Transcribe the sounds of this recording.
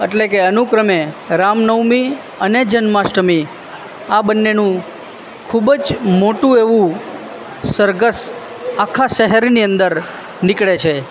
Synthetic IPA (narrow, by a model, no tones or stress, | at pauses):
eʈlekeənukɾəmeɾamnəwmi | əned͡ʒənmaʃʈəmi | abənːenũ | kʰubd͡ʒmoʈũeʋũ | səɾɡəs | akʰaʃəɦɛɾniə̃nd̪əɾ | nikɭet͡ʃʰe